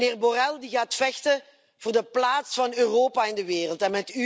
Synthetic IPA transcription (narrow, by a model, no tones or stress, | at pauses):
neːrborɛlˠdiɣaːtfɛxtə | v̥ʊːrdəplaːtsfɑnøːroːpaːɪndəʋeːrəlˠtɛnmɛty